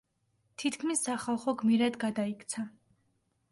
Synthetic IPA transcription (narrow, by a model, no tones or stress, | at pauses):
t̪ʰit̪ʰkʰmisːaχalˠχɔɡmiɾad̪ɡad̪aikʰt̪sʰa